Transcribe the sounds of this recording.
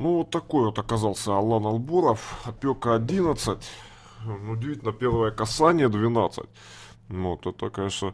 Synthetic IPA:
nuvot̪ːɐko̞jvot̪ɐkɐzɑlˠsʲəɐlˠːanɐlˠboɾəfɐpʲokəɐdʲinət̪sɨtʲ | nuʊdʲɪvʲitʲɪlʲnəpʲe̞rvəjəkɐsanʲɪjəd̪vʲɪnat̪sɨ̰t̚ʲ | ot̪ɛt̪əkɐnʲeʂnə

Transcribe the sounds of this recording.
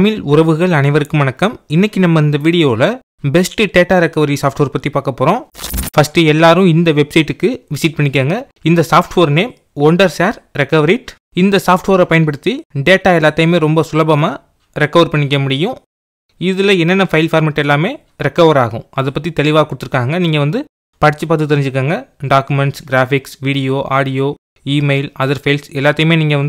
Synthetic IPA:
mɪlʊɾɐʋɯɣɐɭɐnɐɪʋɐɾɯkːɯmɐnɐkːɐmɪnːɐkːɯnɐmːɐɪnd̪ɐʋiːɽɪjoːlɐ | bɛsʈɯʈeːʈaːɾɛkːɐʋɐɾisaːfʈʋɐːɾpɐt̪ːipaːɾkɐpːoːɾõːfɐsʈɯɛlːaːɾɯ̃ɪnd̪ɐʋɛbsɐɪʈːɯkːɯʋɪsiʈ̚pɐɳːɪkːaːŋɡɐ | ɪnd̪ɐsaːfʈʋoːɾneːm | ɔɳɖɐɾsaːɾɾɛkːɐʋɐɾiʈ | ɪnd̪ɐsaːfʈʋoːɾɐpɐjɐnpɐɽɯt̪ːiɖeːʈːaːɛlːaːt̪ːɐjmeːɾɔmbɐsʊlɐbɐmaː | ɾɛkːɐʋɾpɐɳːɪk̬ːɐmʊɽɪjʊ̃ | ɪðɪlɐɛnːɐnːɐfɐɪlfaːɾmɐʈːɛlːaːmeː | ɾɛkːɐʋɐɾaːɣʊ̰̃ɐðɐpːɐt̪̬ːit̪ɛlɪʋaːkːʊɽɯt̪ːɯɾɯkːaːŋɡɐniːŋɡɐʋɐnd̪ɯ | pɐɽɪt͡ʃːɯpaːt̪ːɯt̪ːɪɾɪɲd͡ʒɪɾɯkːaːŋɡɐɖaːkɯmɛɳʈsɡɪɾaːfɪksʋiːɽɪjoːʔaːɽɪjoː | iːmɐɪlɐðɐɾfɐɪlsɛlːaːt̪ːɐjmeːniːŋɡɐʋɐnd̪ɯ

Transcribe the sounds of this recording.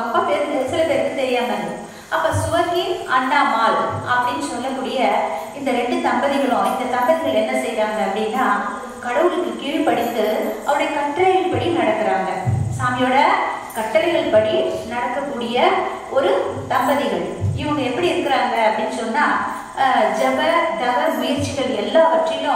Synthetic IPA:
ɐpːapɛɾɯnd̪ɯsɪlɐpɛɾɯnd̪ɯt̪ɛɾɪjaːŋɡɐɡɯ | ɐpːoːsʊʋɐkiɐnːaːmaːlɐpːɐɽɪnːɯsɔlːɐkːuːɽɪjɐɪnd̪ɐɾɛɳɖɯsɐmbɐðɪɣɐɭʊ̃ɪnd̪ɐtɐmbɐðɪɣɐɭɛnːɐsɛjɾaːŋɡɐːɐpːɐɽɪnːãː | kɐɽɐʋɯlɯkːɯkːiʋipɐɽɪt̪ːɯɐʋɐɽɐjɐkɐʈːɐɾlɐɣɪɭpɐɽinɐɽɐkːɪɾaːŋɡɐsaːmɪjoːɽɐkɐʈːɐlɐɪɣɐɭpɐɽinɐɽɐkːɐkːuːɽɪjɐ | ɔɾɯsɐmbɐðɪɣɐɭɪʋɐŋɡɐɛpːɐɽiɪɾɯkːɪɾaːŋɡɐɐpːɐɽɪnːɯsɔnːaː | d͡ʒɛbɐɖɐʋɐɾmʊjɪɾt͡ʃːɪɣɐɭɛlːaːpɐʈrɪjʊ̃

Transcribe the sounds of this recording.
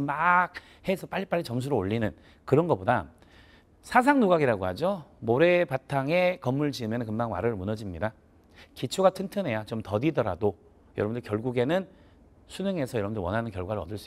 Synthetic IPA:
mak̚ | hesʰʌp͈aʎːip͈aɭʎːit͡ɕʌms̬ʰuɾooʎːinɯn | kɯɾʌnɡʌboda̰ | sʰas̬ʰaŋnuɡaɡiɾaɡohad͡ʑomoɾe̞patʰaŋe̞kʌmːuɭd͡ʑiɯmjʌnɯnkɯmmaŋwa̰ɾɯɭmunʌd͡ʑimɲida | kit͡ɕʰuɡatʰɯntʰɯne̞jat͡ɕomtʌdidʌɾa̰do | jʌɾʌbɯndokjʌɭɡuɡe̞nɯn | sʰunɯŋe̞sʰʌjʌɾʌbɯndowʌnɦanɯnkjʌɭɡwaɾɯɾʌ̰dɯɭs͈ui

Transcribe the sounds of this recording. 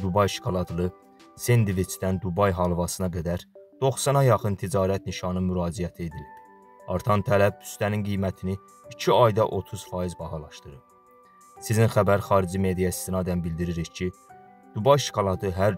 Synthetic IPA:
d̪ubɑjʃi̥kʰolˠɑt̪ʰlˠɯ | send̪ivit͡ʃʰd̪ænd̪ubɑjɦɑlˠvɑsɯnɑɡæd̪æɾd̪̥o̞χsɑnɑjɑχɯnt̪ʰid͡ʒɑːɾæt̪niʃɑnɯmyɾɑːd͡ʒijæt̪ʰie̞d̪ilib | ɑ̰ɾt̪ʰɑnt̪ʰælæb̚ʰy̥st̪æninɡijmæt̪ʰini | it͡ʃʰiɑjd̪ɑʔo̞t̪ʰuz̥fɑjizbɑhɑlˠɑʃt̪ɯɾɯ̰ɾ | sizinxæbæɾxɑːɾid͡ʒime̞d̪ijɑist̪ʰinɑd̪ænbild̪iɾiɾiçcʰi | d̪̥ubɑjʃi̥kʰolˠɑt̪ʰɯɦæɾ

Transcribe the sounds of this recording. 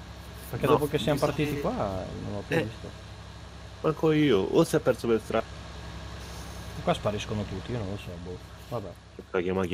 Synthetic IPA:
perked̪opokesːiamopart̪iːt̪ikwano̰nlɔpːjujvist̪o̰ | maŋkɔiːoʔoseapːɛɾsobelst̪ɾa | ekːwaspaɾiskonot̪ut̪ːiionõnlosɛbo | vabɛ | kaɡamaɡʲ

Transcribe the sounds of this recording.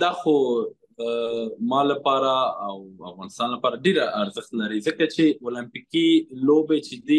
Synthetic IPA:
d̪ɑxo | əmɑlapɑɾaːwa̰fɣɑnɪst̪ɑnlapɑɾaɖeɾaaɾzəxt̪laɾizəkat͡ʃeolampikilobet͡ʃed̪i

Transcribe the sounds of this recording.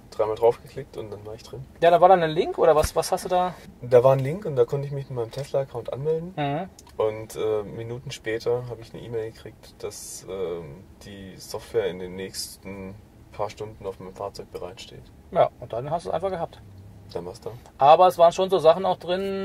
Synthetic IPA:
d̥ʁaɪmaːldʁaʊfɡ̥əkʰl̥ɪk̚tʊntd̥anvaːɐɪçd̥ʁɪnjaːɾaːvaːɐdanəlɪŋkʔo̰ːɾɐvasvashastd̥uːdaːd̥aːvaːɐnlɪŋkʊntd̥aːkʰɔntəɪç̬mɪçmɪtmaɪəmtʰɛslɐakʰaʊntʔa̰nmɛldn̩m̩h̩ | ʔʊntʔɛːminuːtn̩ʃpɛːtʰɐɦaːbəɪçnə̰ʔḭːmɛɪlɡəkʁ̥iːk̚td̥asʔɛːd̥iːzɔftv̥ɛːɐɪndeːnːɛːçstn̩ | pʰaːɐʃtʊndn̩aʊfmaɪnmfaːɐt͡sɔʏk̚b̥əʁa̰ɪtʃtḛːt | ja̰ːʔʊnt̚d̥anhastd̥uːʔa̰ɪnfaχɡəhaːp̚td̥anvaːɐstd̥aːʔaːbɐɛsvaːʁnʃoːnzoːzaχn̩aʊxd̥ʁɪn

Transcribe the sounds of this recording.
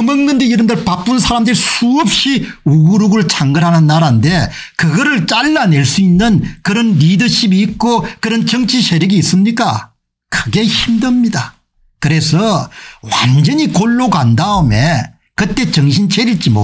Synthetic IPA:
ɯmɯŋnɯndeiɾɯndʌɭpap͈unsʰaɾamdɯɾisʰuʌp̚ɕ͈i | uɡuɾuɡɯɭt͡ɕʰaŋɡɯnɦanɯnːaɾande̞ | kɯɡʌɾɯɭt͡ɕ͈aɭːane̞ɭs͈uinːɯnkɯɾʌnːidɯɕʰibiːk̚k͈okɯɾʌnt͡ɕʌŋt͡ɕʰiɕʰeɾiɡiːs͈ɯmɲik͈a | kɯɡe̞çimdʌmɲida | kɯɾe̞sʰʌwa̰nd͡ʑʌɲikoɭːokandaɯme̞ | kɯt͈e̞t͡ɕʌŋɕʰint͡ɕʰeɾiɭt͡ɕ͈imo̰

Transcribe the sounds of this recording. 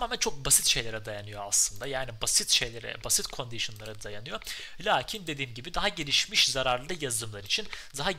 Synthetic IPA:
maːmænt͡ʃʰo̞k̚basit̪ʃe̞jlʲeɾɛd̪ajanɯjo̞aslˠɯnd̪ajaːnibasit̪ʃe̞jlʲeɾɛ̰basit̪kʰo̞nd̪iʃo̞nlˠaɾad̪ajanɯjo̞ | lʲaːcʰind̪e̞d̪iːmɟibid̪aɦaɟe̞lʲiʃmiʃzaɾaɾlˠɯjazd̪ɯmlˠaɾit͡ʃʰind̪aɦa

